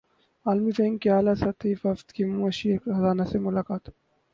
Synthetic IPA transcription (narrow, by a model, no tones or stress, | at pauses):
aːlmifẽŋɡkiaːlasɐt̪ʰiːfɐft̪kimũɐʃiekxɐzaːnasemʊlaːkaːt̪